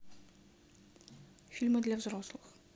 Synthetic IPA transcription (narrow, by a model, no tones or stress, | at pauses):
fʲilʲmɨd̪lʲævzroslˠɨx